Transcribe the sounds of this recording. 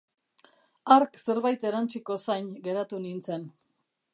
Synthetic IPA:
aɾkse̞ɾβajt̪e̞ɾant͡siko̞sajnɡe̞ɾat̪unint͡se̞n

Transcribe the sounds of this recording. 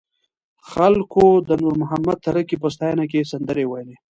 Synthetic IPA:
xalkod̪ənuɾmʊɦamad̪̚t̪ːaɾakip̬əst̪ɑjanak̬esand̪əɾewajle

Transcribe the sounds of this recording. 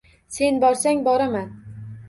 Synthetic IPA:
se̞nbɒɾsaŋbɒɾaman

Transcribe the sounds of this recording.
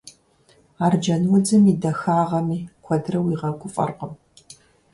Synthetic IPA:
aːrd͡ʒɐnwʊd͡zɨmiːdɐxaːʁɐmiːkʷʰɔdrɐwiːʁɐkʷʰʼʊfʼɐ̰rqəm

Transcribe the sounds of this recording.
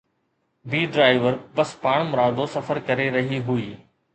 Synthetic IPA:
biːɖɾaːɪʋəɾbɐspaːɽ̃mʊɾaːd̪osɐfəɾkɐɾeɾɐɦiɦuiː

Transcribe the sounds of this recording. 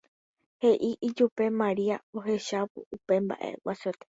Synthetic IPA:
he̞ʔiʔid͡ʒupe̞mãɾiaoɦe̞ʃapṵupe̞mba̰ʔḛwasot̪e̥

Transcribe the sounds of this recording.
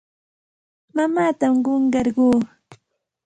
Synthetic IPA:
mamaːt̪amɢoɴɢɑɾɢuː

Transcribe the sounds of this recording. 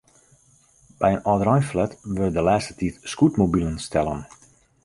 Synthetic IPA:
b̥ɛjənɔdrɔjflɛtʋørdəlaːstə̥titskutmobilənstʰɛlˠə̰n

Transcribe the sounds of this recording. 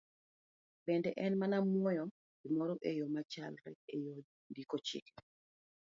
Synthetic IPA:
bɛndɛʔɛnmanamwɔjɔ | bɪmɔɾɔʔejomat͡ʃalɾɛ̰ejo | ndikot͡ʃɪ̰kɛ

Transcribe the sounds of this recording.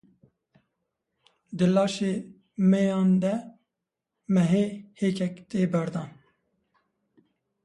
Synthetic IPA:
d̪ɨlɑːʃeː | mɛjɑːnd̪ɛ | mɛɦeːheːkɛkt̪eːbɛɾd̪ɑːn

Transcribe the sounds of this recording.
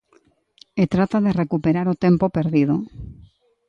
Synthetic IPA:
et̪ɾat̪aðerekupeɾaɾot̪ẽmpopeɾðið̞o

